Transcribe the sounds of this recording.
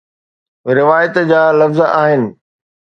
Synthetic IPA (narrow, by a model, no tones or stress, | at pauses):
ɾɪʋaːjət̪d͡ʑaːlɐfzaːɦɪnɪ̆